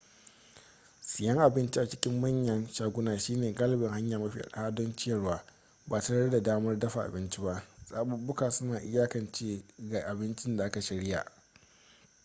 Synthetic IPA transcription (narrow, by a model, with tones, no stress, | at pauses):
sɪ˨jɐ˦ŋʔa˨bɪ˦nt͡ʃi˦ʔa˨t͡ʃɪ˦kʲɪ˦mːɐ˦ɲjɐ˦nʃaː˨ɡʷʊ˦naː˨ʃiː˦neː˨ɡa˦lbɪ˨ŋɦa˦ɲjaː˨mɐ˦ɸḭ˦˨ʔa̰˨ɗhaː˦dɔ˦nt͡ʃɪ˦jɐ˨rwaː˨ | baː˨tɐ˦nɐ˦rda˨daː˦mɐ˦rdɐ˦ɸa˨ʔa̰˨bɪ˦nt͡ʃi˦ba˦ʔsʼaː˦ɓʊ˦˨bʊ˦kaː˨sʊ˦naː˨ʔɪ̰˦jaː˦kɐ˨nt͡ʃeː˦ɡa˨ʔa˨bɪ˦nt͡ʃɪ˦nda˨ʔa˦ka˨ʃɐ˨ɽɪ˦ja̰˨ʔ